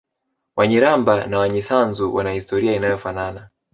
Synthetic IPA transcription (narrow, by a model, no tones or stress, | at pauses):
waɲiɾambanawaɲɛsanzuwanahistɔɾiainajɔfanana